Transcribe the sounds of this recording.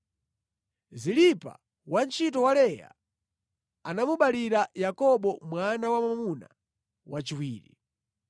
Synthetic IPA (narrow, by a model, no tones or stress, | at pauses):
zilipa̰ | want͡ʃitɔwalɛja̰ | anamuɓaliɾajakɔɓɔmwanawamamamuna̰ | wat͡ʃiwiːɾḭ